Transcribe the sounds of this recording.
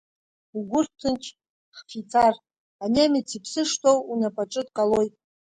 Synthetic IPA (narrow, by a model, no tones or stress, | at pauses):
uɡʷʊrtʰɨnt͡ʃʰ | χfit͡sʰar | aneamit͡sʰipʰsɨʂtʰowunapʼaʈ͡ʂʼɨtʼkʼalo̞jtʼ